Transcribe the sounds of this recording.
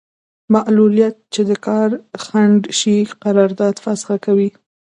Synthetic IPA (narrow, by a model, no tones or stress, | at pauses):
maʔlulijat̪̚t͡ʃed̪əkɑɾxaɳɖʃiqaɾɑɾd̪ɑd̪fasɪ̥lakawi